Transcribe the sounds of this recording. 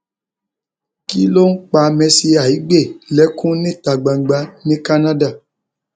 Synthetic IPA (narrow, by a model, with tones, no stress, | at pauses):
ki˦lo˦ŋ̩˦k͡pa˧mɛ̃˧si˧a˨i˨˦ɡ͡be˦˨lɛ˨˦kũ˦nĩ˦˨ta˨ɡ͡ba˨ɡ͡ba˧˦nĩ˦ka˦nã˦da˦˨